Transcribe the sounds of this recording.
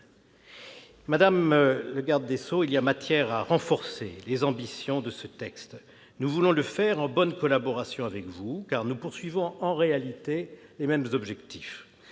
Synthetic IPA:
mad̪amləɡaʁd̪ːesoiliamat̪jɛʁaʁɑ̃fɔʁsḛlezɑ̃bisjɔ̃d̪əsət̪ɛkst̪ | nuvulɔ̃ləfɛʁɑ̃bɔnkɔlabɔʁasjɔ̃avɛkvukaʁnupuʁsɥivɔ̃ɑ̃ʁealit̪elemɛmzɔbʒɛkt̪i̥f

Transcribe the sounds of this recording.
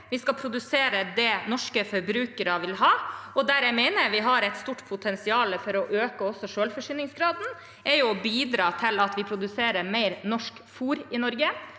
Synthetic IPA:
ʋɪskɑpʰɾʊd̪ʉseːɾəd̪ɛnɔʂkəfɔɾbɾʉːkəɾɑʋɪlɦɑːɔd̪æɾjæmɛɪnəɾʋɪɦɑɾɛɪt̪st̪uːʈːpʰʊt̪ʰɛnsɪɑːləfɔɾɔʔøːkəɔsːɔʂøːlfɔʂyːnɪŋsɡɾɑːd̪n̩ | ɛɾjʊɔbiːd̪ɾɑːt̪ʰɪlɑt̪ʋɪpʰɾʊd̪ʉseːɾəɾmeɪɾnɔʂkfuːɾɪnɔɾɡə

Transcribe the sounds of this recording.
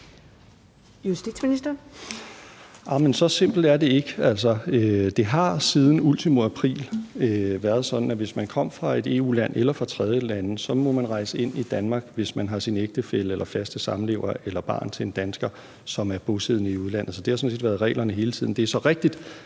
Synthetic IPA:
jusd̥i̥sminisd̥ɐ | ʔɑ̈mensɒ̽se̝m̰b̥l̩dæɐde̝e̝ɡ̥æl̰s̬ɒ̽ød̥e̝ɦɑ̈siːð̞ˠn̩ult͡sʰimoæpʰʁḭːløʋæɐð̞̩ˠsɒ̽d̥n̩æʋe̝smænkʰɒ̽m̰fʁɑ̈e̝d̥e̝̰ːṵːlæn̰ʔelɐfʁɑ̈t͡sʰʁɛð̞ˠjəlænəsɒ̽mɒ̽mænʁɑ̈ɪsəe̝n̰id̥ænmɑ̈ːɡ̥ʋe̝smænɦɑ̈sineɡ̥d̥əfel̰əelʔɐfæsd̥əsɑ̈mn̩le̝̰ʊ̰ɐelɐb̥ɑ̰̈ːnt͡sʰe̝end̥ænsɡ̥ɐ | sɒ̽mæɐb̥o̝seð̰ˠnəiuð̞ˠlæn̰ð̩ˠsɒ̽d̥e̝hɑsɒ̽n̩se̝̰ːdʋæːɐðˠʁɛ̰ːlʔɐnəɦe̝ːlət͡sʰið̰ˠn̩d̥e̝æɐsɒ̽ʁeɡ̥̚d̥id̥

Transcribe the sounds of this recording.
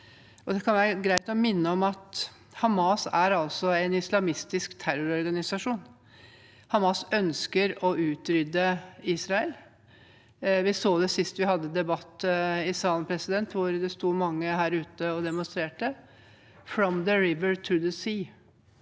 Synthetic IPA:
ɔd̪ɛkʰɑnjæɪɡɾæɪt̪ɔmɪnːəɔmɑt̪ | hɑmɑːsæɾɑlsɔɛɪnɪslɑmɪst̪ɪskt̪ʰæɾʊɾɔɾɡɑnɪsɑʂuːn | hɑmɑsœnskəɾɔʉːt̪ɾʏd̪əiːsɾɑɛl | ʋɪsoːd̪ɛsɪst̪ʋɪhɑd̪ːəd̪ɛbɑt̪ːɪsɑːlpʰɾɛsɪd̪ɛnt̪ʋʊɾd̪ɛst̪uːmɑŋːəhæːɾʉːt̪əɔd̪ɛmʊnst̪ɾeːʈə | fɾɔmðəɹɪʋəɹt̪ʰʊd̪əsiː

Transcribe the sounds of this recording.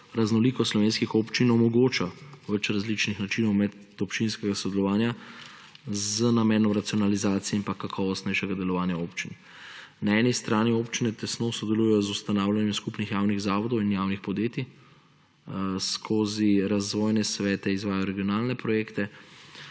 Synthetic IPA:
ɾaznɔliːkɔslɔʋeːnskixopt͡ʃinɔmɔɡoːt͡ʃaʋɛt͡ʃɾazlit͡ʃnixnat͡ʃinɔwmɛd̪ | ɔpt͡ʃinskɛɡasɔd̪ɛlɔʋaːnja | zənamɛːnɔmɾat̪siɔnalizaːt̪sijɛinpakakʰɔːʋɔst̪nɛjʃɛɡad̪ɛlɔʋaːnjaoːpt͡ʃin | naɛnist̪ɾaːnioːpt͡ʃinɛt̪ɛsnoːsɔd̪ɛluːjɛjɔzust̪anaːwlʲanjɛmskupnixjaːwniɣzaːʋɔd̪ɔwinjaːwnixpɔd̪jeːt̪i | skʰoːziɾazʋɔːjnɛsʋɛːt̪ɛizʋaːjajɔɾɛɡijɔnaːlnɛpɾɔjeːkt̪ɛ

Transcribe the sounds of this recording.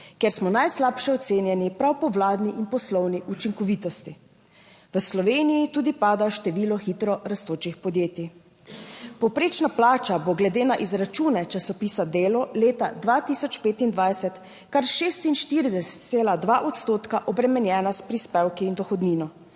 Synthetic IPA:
kɛɾsmɔnajslapʃɛɔt̪seːnjɛnipɾawpɔʋlaːd̪niʔinpɔslɔwniʔut͡ʃiŋkɔʋit̪ɔst̪i | ʋəslɔʋeːnijit̪uːd̪ipaːd̪aʃt̪ɛʋiːlɔxit̪ɾɔɾast̪oːt͡ʃixpɔd̪jeːt̪i | pɔwpɾeːt͡ʃnaplaːt͡ʃaboɡlɛd̪eːnaʔizɾat͡ʃuːnɛt͡ʃasɔpiːsad̪eːlɔleːt̪ad̪ʋat̪isɔt͡ʃpeːt̪ind̪ʋajsɛt̪ | kaɾʃest̪inʃt̪iɾid̪ɛsɛ̥t̪seːlad̪ʋaʔɔt̪st̪oːt̪kaʔɔbɾɛmɛnjɛːnaspɾispɛwkiːnd̪ɔxɔd̪niːnɔ

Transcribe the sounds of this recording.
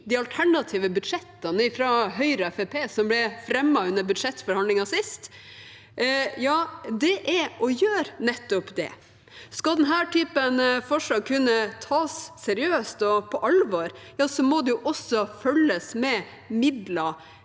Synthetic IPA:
d̪ɪɑlt̪ʰæɳɑt̪ʰiːʋəbʉd̪ʂɛt̪ːɑnəɪfɾɑɦœʏɾəɛfɛpʰeːsɔmblɛfɾɛmːɑʉnːəbʉd̪ʂɛt̪ːfɔɾhɑnlɪŋɑsɪst̪ | jɑːd̪ɛʔɛʔɔjøːɾnɛt̪ːɔpd̪ɛ̰ | skɑld̪ɛnɦæːʈʰyːpənfɔʂlɑːɡ̚kʰʉnːət̪ʰɑːsːɛɾɪøːst̪ɔpʰɔʔɑlʋɑɾjɑːsɔmɔd̪ʉʊʔɔsɔfœlːəsmɛ | mɪd̪lɑ

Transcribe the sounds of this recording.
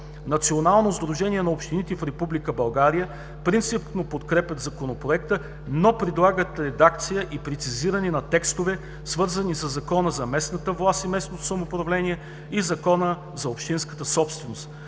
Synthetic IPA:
nɐt̪sionalˠnozd̪ɾuʒɛniɛnɐopʃt̪init̪ɛfɾɛpublikəbɐlˠɡaɾijə | pɾint̪sipnopot̪kɾɛpʲəd̪zɐkonopɾoɛk̚t̪ə | nopɾɛd̪lˠaɡət̪ɾɛd̪ak̚t̪sijəʔipɾɛt̪siziɾəninɐt̪ɛkst̪ovɛ | svɤɾzənisəzːɐkɔnəzɐmɛsnət̪əvlˠast̪imɛsnot̪o̥sɐmoːpɾɐvlɛnʲiɛ | izɐkɔnə | zɐopʃt̪inskə̥t̪əsɔpst̪vɛnost̪

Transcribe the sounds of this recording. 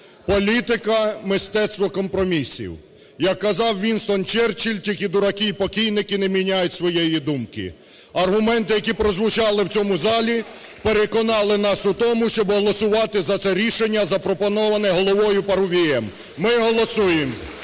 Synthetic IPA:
pɔlʲit̪ɪkɐmɪst̪ɛt̪st̪ʋɔkɔmpɾɔmʲisʲḭw | jɐkːɐzɑwʋʲinst̪ɔnt͡ʃɛrt͡ʃilʲtʲikid̪ʊɾɐkiipɔkʲijnɪkɪnɛmʲinʲajʊtʲsʋɔjɛjid̪umkɪ̰ | ɐrɦʊmɛnt̪ɪjɐkʲipɾɔzʋʊt͡ʃɑlˠɪwt͡sʲɔmʊzɑlʲi | peɾekɔnɑlˠɪnɑsʊt̪ɔmʊʃt͡ʃɔbɦɔlˠɔsʊʋɑt̪ɪzɐt̪sɛɾʲiʃenʲːɐzɐpɾɔpɔnɔʋɐnɛɦɔlˠɔʋɔjʊpɐɾʊʋʲiɛmː | ɪɦɔlˠɔsujem

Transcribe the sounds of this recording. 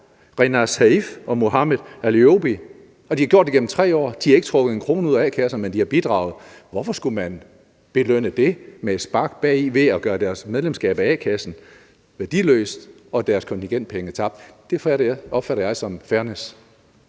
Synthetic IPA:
ʁɛnɑsæifɒ̽mo̝ɦɑ̈meðˠælio̝b̥i | ɒ̽d̥ihɑ̈ɡjo̝ɐd̥iɡem̰̩t͡sʰʁɛ̰ːɒ̰ːd̥ihɑ̈e̝ɡ̥ə̥t͡sʰʁɔ̽ɡ̥ð̩ˠenkʰʁo̝ːnəuð̰ˠɛːkʰæsɐnmend̥ihɑ̈b̥id̥ʁɑ̰̈ʊð̩ˠʋɒfɒ̽sɡ̥umæn | b̥e̝løn̰əd̥e̝me̥sb̥ɑ̈ɡ̥b̥ɛ̰ːiʋe̝æɡ̥ɶːɐd̥æɐsmeðˠlemsɡ̥ɛ̰ːb̥æɛ̰kʰæsn̩ | ʋæɐd̥ilø̰ːsd̥ | ɒ̽d̥æɐskʰɒ̽nt͡sʰiŋɡ̥en̰d̥̚pʰeŋət͡sʰɑ̈b̥̚d̥d̥efæɾɐɒ̽b̥fæɾɐjɑ̈ɪsɒ̽mfæɐnes

